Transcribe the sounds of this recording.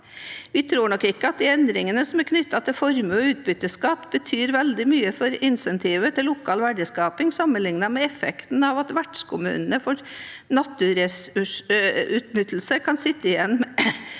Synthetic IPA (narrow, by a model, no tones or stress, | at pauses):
ʋɪt̪ʰɾuːɳɔkːɪkːəɑt̪̚d̪iɛnd̪ɾɪŋənəsɔmɛkʰnʏt̪ːɑt̪ʰɪlfɔɾməɔʉːt̪̚bʏt̪ːəskɑt̪ːbət̪ʰyːɾʋɛld̪ɪmyːəfɔɾɪnsɛnt̪ʰiːʋət̪ʰɪllʊkʰɑːlʋæɖəskɑːpɪŋsɑmːənlɪŋnɑmɛɛfɛ̰kt̪nɑʋɑt̪ʋæʈʂkʰʊmʉ̰ːnənəfɔɾnɑt̪ːʊɾɛsʉʉt̪nʏt̪ːl̩səkʰɑnsɪt̪ːəɪjɛnːm